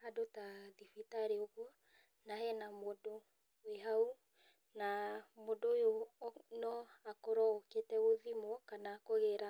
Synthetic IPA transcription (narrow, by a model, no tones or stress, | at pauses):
adotaðifitaɾeoɣɔ | nahɛnamodo | weɦau | namodojonɔakoɾɔoketɛoðimɔkanaːkoɣeɾa